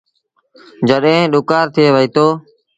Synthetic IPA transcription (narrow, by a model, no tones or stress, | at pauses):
d͡ʒəɗɦẽːɗʊkaːɾt̪ʰɪeːʋəiːt̪oː